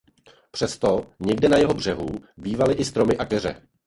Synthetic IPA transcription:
pr̥ɛst̪o̞ɲɛɡdɛnajɛɦo̞br̝ɛɦṵbiːvalɪʔɪst̪ɾo̞mɪʔakɛr̝ɛ̰

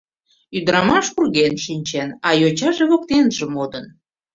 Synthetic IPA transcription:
yd̪əɾɑmɑʃurɣenʃinʲt͡ɕenɑjot͡ɕɑʒeβok̚t̪enʒəmod̪ən

